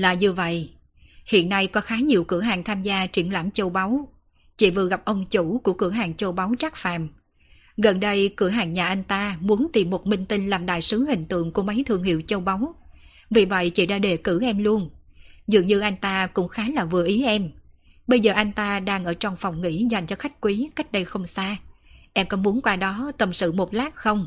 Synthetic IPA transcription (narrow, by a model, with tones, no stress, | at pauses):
laː˨˩ɲu˧və̰˧˨jʔ | hḭ˧˨ənːa˧jkɔ˨˦xaː˨˦ɲi˨˩əwkɨ˧˩əɦaː˨˩ŋt̪ʰaː˧mzaː˧t͡ɕi˧˩ənlaː˧˩mt͡ɕə˧wɓa˨˦w | t͡ɕḭ˧˨˩vɨ˨˩əɣa˨˩p̚ʔə˧wŋ͡mt͡ɕu˧˩ku˧˩əkɨ˧˩əɦaː˨˩ŋt͡ɕə˧wɓa˨˦wt͡ɕa˦˥k̚fa̰ː˧˨m | ɣə˨˩nɗə˧jkɨ˧˩əɦaː˨˩ŋɲaː˨˩ʔa˧jŋ̟t̪aː˧mu˨˦ənt̪i˨˩mːo˨˩t̚mï˧ŋt̪ï˧ŋ̟laː˨˩mɗa̰ː˧˨jsɨ˨˦hï˨˩ŋ̟t̪ɨ̰˧˨əŋku˧˩əma˨˦jt̪ʰɨ˧˩əŋɦḭ˧˨wt͡ɕə˧wɓa˨˦w | vi˨˩və̰˧˨jt͡ɕḭ˧˩ɗaː˧ɗe˨˩kɨ˧˩ʔɛ˧mlu˧ənzɨ̰˨˩əŋɲɨ˧ʔa˧jŋ̟t̪aː˧kʊ̰˧˥ŋ͡mxaː˨˦laː˨˩vɨ̰˨˩əʔi˨˦ʔɛ˧mɓə˧jzəː˨˩ʔa˧jŋ̟t̪aː˧ɗaː˧ŋʔəː˧˩t͡ɕɔ˧wŋ͡mfɔ˨˩wŋ͡mŋḭ˧˩˥za˨˩jŋ̟t͡ɕɔ˧xa˦˥jk̟̚kwi˨˦ka˦˥jk̚ɗə˧jxə˧wŋ͡msaː˧ʔɛ˧mkɔ˨˦mu˨˦ənkwaː˧ɗɔ˨˦t̪ə˨˩msɨ̰˧˨mo˨˩t̚laː˦˥k̚xə˧wŋ͡m